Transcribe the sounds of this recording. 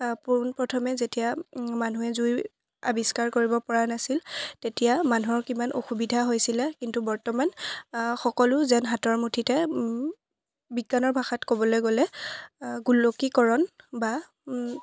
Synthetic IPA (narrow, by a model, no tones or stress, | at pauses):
punpɹɔtʰɔmɛzetijamanuɛzuj | a̰biskaɹkoɹibɔpɔɹanasiltetijamanuɔɹkimanʔoxubidʱaɦojsilɛkintubɔɹtɔmanxɔkɔlʊzɛnɦatɔɹmutʰitɛ | biɡanɔɹbʱaxatkobɔlojɡolɛ | ɡulːokikɔɹɔnba